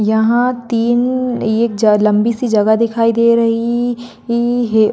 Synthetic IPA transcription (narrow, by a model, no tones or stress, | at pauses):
jɐɦãt̪iːneːk̚d͡ʒɐlɐ̃mbisid͡ʒɐɡad̪ɪkʰaːid̪eːɾɐɦi | ɦeː